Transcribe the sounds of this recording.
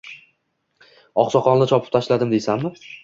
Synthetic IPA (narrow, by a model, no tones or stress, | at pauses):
ɒ̰qsɒqɒnnɪt͡ʃʰɒpʰɪ̥p̚t̪ʰaʃlad̪ɪmd̪esamːɪ